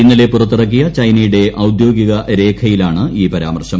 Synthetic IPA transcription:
inːɐlepurɐt̪ːɨrɐk̬ːijɐt͡ɕɐjnɐjuɽe̞ʔɐwd̪jo̞ːɡiɣɐɾe̞ːkʰɐjilaːɳɨiːpɐɾa̰ːmɐrɕɐm

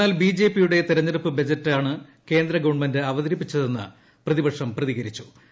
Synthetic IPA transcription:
aːlbiːd͡ʑe̞ːpːijuɽe̞t̪iɾɐɲːɐɾupːɨbɐd͡ʑɐtːaːɳɨke̞ːnd̪ɾɐɡɐʋɐɳmendɨɐʋɐðɐɾipːit͡ɕːɐðe̞nːɨ̰ | prɐðibɐkʂɐmprɐðiɣɐɾit͡ɕːu̥

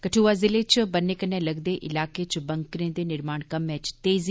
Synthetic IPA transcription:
kəʈʰuːʋazɪlet͡ʃbənekənẽlɐɡd̪eʔɪlaːket͡ʃbɐŋkɾẽd̪enɪɾmaːɳkɐmːɛ̃ːt͡ʃt̪eːz

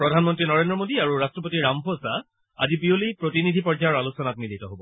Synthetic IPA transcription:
pɹɔdʱanmɔntɹinɔɹendɹɔmodiaɹuɹastɹɔp̬otiɹampʰɔsa | a̰zibiolipɹotinidʱipɔɹd͡ʒaɔɹalusɔnat̚militɔɦobɔ

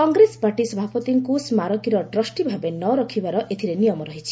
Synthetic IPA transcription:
kɔŋɡɾespaʈisɔbʱapɔt̪iŋkusmaɾɔkiɾɔʈɾɔsʈibʱabenɔɾɔkʰibaɾɔʔet̪ʰiɾenijɔmɔɾɔɦit͡ʃʰi̥

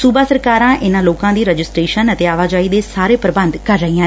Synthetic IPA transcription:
suːbaːsəɾkaːɾãːʔɪnãːloːkãːd̪iːɾəd͡ʒɪsʈɾeːʃənət̪eːaːʋaːd͡ʒaːiːd̪eːsaːɾeːpəɾɪbənd̪kəɾːəɦiːãː

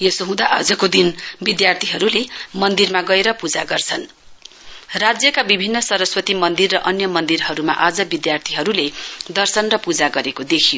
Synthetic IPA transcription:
jesoɦũd̪aʔad͡zʌkod̪inbid̪jart̪ʰiɦʌɾulemʌnd̪irmaɡʌeɾʌpud͡zaɡʌrt͡sʰʌn | rad͡zjʌkabibʱinːʌsʌɾʌswʌt̪imʌnd̪irːʌʔʌnjʌmʌnd̪irɦʌɾuma̰ʔad͡zʌbid̪jart̪ʰiɦʌɾuled̪ʌrsʌnrʌpud͡zaɡʌɾekod̪ekʰijo

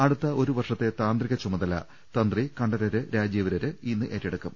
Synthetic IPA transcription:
ɐɽut̪ːɐʔo̞ɾuʋɐrʂɐt̪ːe̞t̪aːnd̪riɣɐt͡ɕumɐðɐlɐ̰ | t̪ɐnd̪rikɐɳɖɐɾɐɾɨɾaːd͡ʑiːʋɐɾɐɾɨinːɨʔeɾːeɽukːum

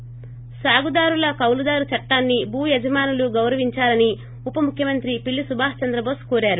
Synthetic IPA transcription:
saːɡud̪aːɾulɐkɐwlud̪aːɾut͡ʃɐʈːaːnːibuːjɛd͡ʒɐmaːnuluɡɐwɾɐʋiɲt͡ʃaːlɐni | upɐmukʰjɐmɐnt̪ɾipilːisubʱaːɦt͡ʃɐnd̪ɾɐboːskoːɾaːɾu

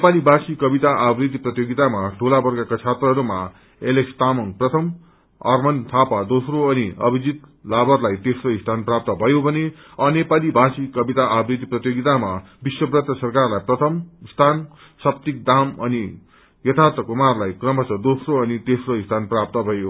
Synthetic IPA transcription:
nepalibʱasikʌbit̪aʔabrid̪ʱiprʌt̪joɡit̪amaʈʰolabʌrɡakat͡sʰat̪rʌɦʌɾuma̰ | elekst̪amʌŋprʌt̪ʰʌm | ʌ̰rmʌnt̪ʰapad̪osroʌniʌbʱid͡zit̪labʌrlajt̪esroist̪ʰanprap̚t̪ʌbʱʌjobʱʌne | ʌnepalibʱasikʌbit̪aʔabrid̪ʱiprʌt̪joɡit̪ama | biswʌbrʌt̪ʌsʌrkarlajprʌt̪ʰʌmst̪ʰan | sʌp̚t̪ik̚d̪amʌni | jʌt̪ʰart̪rʌkumarlajkrʌmʌt͡sʌd̪osroʌnit̪esroist̪ʰanprap̚t̪ʌbʱʌjo

